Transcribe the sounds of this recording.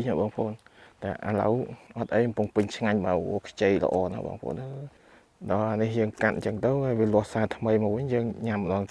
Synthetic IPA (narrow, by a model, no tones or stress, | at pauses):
naɓɑːŋpʰʔo̰ːnt̪aːʔa̰ːlə̰wʔɑt̪ʔəjkɔmpʊəŋpɨɲt͡ɕʰŋaɲɓaːwo̰ːkʰt͡ɕeːjlə̰ʔɑːna̰ɓɑ̰ːŋpʰʔo̰ːnə | ɗɑːnihjəːŋkat̪̚ɲt͡ɕəŋt̪ɨwhaːjʋiəlʊ̆əhsaːt̪ʰməjmɔːwʋɨɲjəːŋɲamːəɗɑːŋ